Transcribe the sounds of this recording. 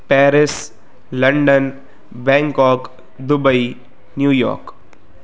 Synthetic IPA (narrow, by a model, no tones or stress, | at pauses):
pɛːɾɪs | lɐ̃ɳɖən | bɛ̃ːŋkɔːk | d̪ʊbəi | njuːjɔ̰ːɾk